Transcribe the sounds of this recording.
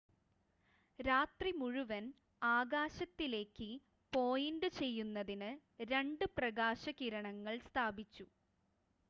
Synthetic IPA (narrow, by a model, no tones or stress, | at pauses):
ɾaːt̪rimuɻuʋɐn | aːɡaːɕɐt̪ːile̞ːkːɨ | po̞ːjinɖɨt͡ɕe̞jːunːɐðinɨ | ɾe̞ɳɖɨprɐɣaːɕɐkiɾɐɳɐŋːɐɭst̪ʰaːbit͡ɕːu